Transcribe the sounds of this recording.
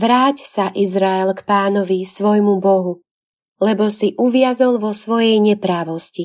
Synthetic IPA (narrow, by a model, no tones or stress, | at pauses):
ʋɾaːcsaʔizɾaɛlkpaːnɔʋisʋɔjmubɔɦu | lɛbɔsiʔuʋɪazɔlʋɔsʋɔjɛjɲɛpɾaːʋɔsci